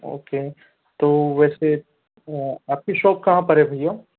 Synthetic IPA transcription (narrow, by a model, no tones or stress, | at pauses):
o̰ːkeː | t̪oːʋɛːse | aːp̚kiʃoːp̚kɐɦãpɐɾebʱɐjo